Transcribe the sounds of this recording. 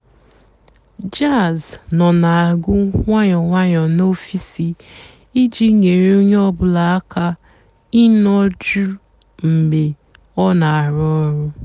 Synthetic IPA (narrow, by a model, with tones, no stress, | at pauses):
d͡ʒa˦˨znɔ˨na˨a˨ɡʊ˦ŋʷa˦ɲɔ˨ŋʷa˦ɲɔ˨no˦fi˦si˨ | i˦d͡ʒi˦ŋe˨ɾe˦o˦ɲe˦ɔ˦bʊ˨la˨a˦ka˦ | i˦nɔ˦d͡ʒu˦ | m̩˨me˨ | ɔ˦na˨a˨ɾɔ˦ɾʊ˦